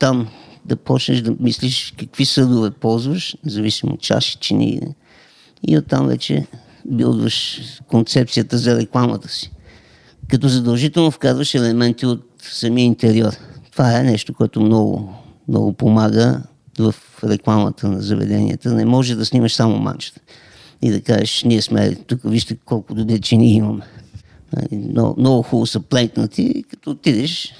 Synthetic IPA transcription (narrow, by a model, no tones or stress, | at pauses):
t̪amd̪ɐpɔt͡ʃnəʃd̪ɐmisliʃkəkvisɤd̪ʊvɛpɔlˠzvəʃnɛzɐvisimo̰t̪t͡ʃa̰ʃi̥t͡ʃinḭ | ḭot̪ːamvɛ̰t͡ʃɛ̰ | bilˠd̪vəʃkont̪sɛp̚t̪sijət̪əzɐɾɛklˠamə̰t̪ə̥si̥ | kɐt̪ɔzɐd̪əlˠʒit̪ɛlˠnofkazvəʃɛlɛmɛnt̪iot̪sɐmiəint̪ɛɾiɔɾt̪ovaɛnɛʃt̪okoɛt̪omnɔɡʊ̰mnɔ̰ɡʊpomaɡə | vəf | ɾɛklˠamə̰t̪ənɐzɐvɛ̰d̪ɛnḭə̰t̪ənɛmɔʒɛd̪ɐsniməʃsamo̰ma̰nt͡ʃə̥t̪ə̥ | ḭd̪ɐkaʒɛʃniəsmɛ̰t̪ukəviʃt̪əkɔlˠkʊd̪obɾit͡ʃɛniəiməmɛ | nə̰lḭmnɔ̰mnɔɡʊxulˠosəplɛŋknət̪ḭkɐ̥t̪ɔt̪id̪ɛʃ